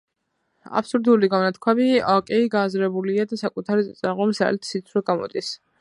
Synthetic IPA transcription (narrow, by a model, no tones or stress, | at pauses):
a̰pʰsuɾd̪uliɡavnat̪̚kʰwamiɔkʼɛiɡaːzɾɛbuliad̪asakʼut̪ʰaɾiɛt̪sʼaʁɔmsa̰lt̪ʰsit̪sʰwɛɡamɔ̰d̪is